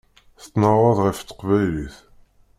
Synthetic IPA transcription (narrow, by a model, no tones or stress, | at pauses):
θt̪ːnəɾˤɑðˤʁəft̪ːə̥qvæjliθ